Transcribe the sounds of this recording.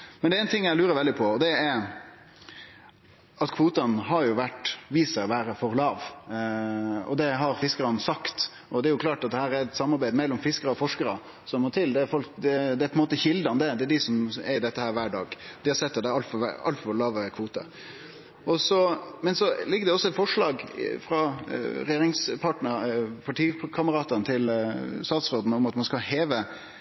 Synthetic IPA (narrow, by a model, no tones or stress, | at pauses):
mɛnɛɛɪnt̪ʰɪŋːjæɪlʉːɾəɾʋɛld̪ɪpʰɔɔd̪ɛɛɾ | ɑt̪kʰʋuːt̪ɑnɦɑɾjʊʋæʈʋiːsəʋæːɾəfɔɾlɑːʋ | ɔ̰d̪ɛɦɑɾfɪskəɾɑnsɑkt̪ | ʔɔd̪ɛæɾjʊkʰlɑːʈɑt̪̚d̪ɛhæːɾæɾɛt̪sɑmːɑɾbæɪd̪əmɛlːɔmfɪskəɾəɔfɔʂkəɾə̰ | sɔmːɔːt̪ʰɪld̪ɛːɾfɔlkd̪ɛd̪ɛæpɔɛnmoːt̪əçɪld̪əɑnd̪ɛd̪ɛæɖɪsɔmɛd̪ɛt̪ːəhæːɾʋæːɖɑ̰ːɡd̪̥ɪhɑɾsɛt̪ːɑt̪d̪ɛɑlt̪fɔʋ̰ɑ̰lt̪fɔɾlɑːʋəkʰʋuːt̪ə̰ | ɔsɔmɛnsɔlɪɡːəd̪ɛɔsːɔɛt̪fɔʂɭɑːɡfɾɑɾɛjeːɾɪŋspʰɑʈnəɾpʰɑʈiːkʰɑməɾɑːt̪ənt̪ʰɪlst̪ɑːt̪sɾoːd̪n̩ɔmɑt̪mɑnskɑheːʋə